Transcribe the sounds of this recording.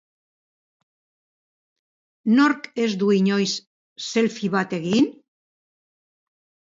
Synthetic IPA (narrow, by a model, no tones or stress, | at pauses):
no̞ɾke̞zd̪uiɲo̞jsː | e̞lfiβat̪e̞ɣin